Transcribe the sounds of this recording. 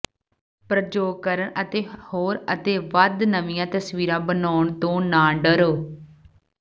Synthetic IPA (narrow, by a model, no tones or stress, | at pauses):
pɾəd͡ʒoːɡ̚kəɾəɳət̪eːhoːɾət̪eːʋəd̪nəʋɪjãːt̪əsʋiːɾãːbənaːʊɳt̪õːnaːɖəɾoː